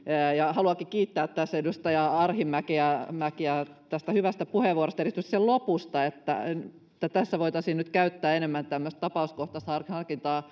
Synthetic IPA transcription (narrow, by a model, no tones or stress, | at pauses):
jɑhɑluɑkikiːt̪ːæːt̪t̪æsːedust̪ɑjɑɑrhimækeæmækiæt̪æst̪æhyʋæst̪æpuheʋuoɾrost̪ɑeɾist̪yksselopust̪ɑet̪ːæ̰ | t̪ːæt̪æsːæʋoit̪ɑsinyt̪kæyt̪ːæːenemːænt̪æmːøst̪t̪ɑpɑuskoht̪ɑst̪hɑrkhɑrkint̪ɑː